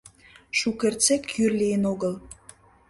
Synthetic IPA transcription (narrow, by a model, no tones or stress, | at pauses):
ʃukert͡sekjyrlijənoɣəl